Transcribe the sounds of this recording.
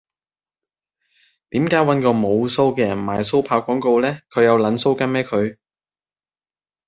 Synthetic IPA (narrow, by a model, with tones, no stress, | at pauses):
t̪iː˨˥mkaː˨˥jwɐ˨˥nkɔː˧mo˨˧wso˥wkɛː˧jɐ˨˩nma̰ː˨˩jso˥wpʰaː˧wkɔː˨˥ŋko˧wlɛː˥kʰɵ˨˧ɥjɐ˨˧wlɐ˨˧nso˥wkɐ˧˥nmɛː˥kʰɵ˨˧ɥ